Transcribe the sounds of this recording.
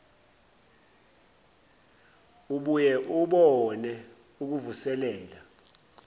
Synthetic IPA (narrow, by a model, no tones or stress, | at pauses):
uɓujɛʔuɓɔnɛ | uk̬uvusɛlɛːla